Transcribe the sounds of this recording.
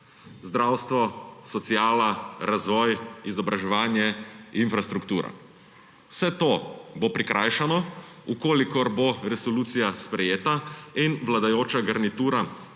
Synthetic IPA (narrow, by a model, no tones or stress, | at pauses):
zd̪ɾaːwst̪ʋɔsɔt̪sijaːlaɾazʋɔːjizɔbɾaʒɛʋaːnjɛinfɾast̪ɾukt̪uːɾa̰ | wsɛt̪obopɾikɾʔajʃanɔ | ukoːlikɔɾboɾɛsɔluːt̪sijaspɾɛjeːt̪ainʋlad̪ajoːt͡ʃaɡɐɾnit̪uːɾa